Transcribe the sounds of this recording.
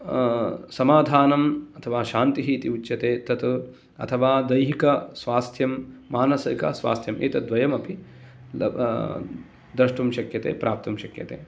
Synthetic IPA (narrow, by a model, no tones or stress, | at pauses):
sɐmaːd̪ʱaːnɐmɐt̪ʰɐʋaːʃaːnt̪iɦiːt̪iut͡ʃʃjɐt̪eːt̪ɐt̪ | ɐ̰t̪ʰɐʋaːd̪ɐjɦikɐsʋaːst̪ʰjɐmːaːnɐsɐikɐsʋa̰ːst̪ʰjɐmʔḛːt̪ɐd̪ʋɐjɐmɐpḭ | d̪ɾɐʂʈumʃɐkjɐt̪ḛːpɾʔaːp̚t̪ɐmʃɐkjɐ̰t̪ḛː